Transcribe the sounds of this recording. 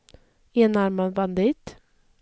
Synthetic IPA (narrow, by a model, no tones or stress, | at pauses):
eːnæɾmɑbɑnd̪ɪt̪